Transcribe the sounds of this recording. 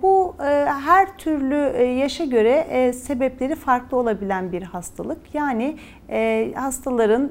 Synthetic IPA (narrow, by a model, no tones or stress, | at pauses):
buɦæɾt̪ʰyɾlʲyjaʃaɟø̞ɾɛse̞bɛplʲe̞ɾifaɾklˠɯo̞lˠabilʲænbiɾhast̪ʰa̰lˠɯkjaːnɪ | ɛhast̪ʰalˠaɾɯn